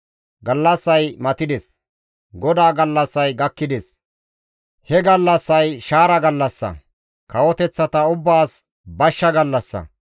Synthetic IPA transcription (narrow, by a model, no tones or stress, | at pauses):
ɡɐlːɐsːɐjmɐt̪ɪd̪ɛs | ɡɔd̪aːɡɐlːɐsːɐjɡɐkːɪd̪ɛs | hɛɡɐlːɐsːɐjʃaːɾɐɡɐlːɐsːɐ̰ | kɐwɔt̪ɛt͡sːɐt̪ɐʊbːaːs | bɐʃːɐɡɐlːɐsːɐ̰